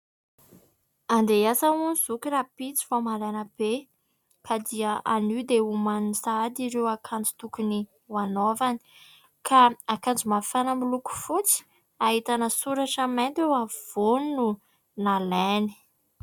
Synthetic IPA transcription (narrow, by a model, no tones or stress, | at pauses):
and̪easauniz̥ukiɾapit͡si̥famaɾanəb̥e | kad̪iaanid̪eumanisad̪iɾewakʰand͡zu̥t̪ukuni | wanovani̥ | kʰaakand͡zimafanəmiluku̥fut͡si̥ | aɦit̪anəsuɾaʈ͡ʂament̪ewav̥onnu | naleni̥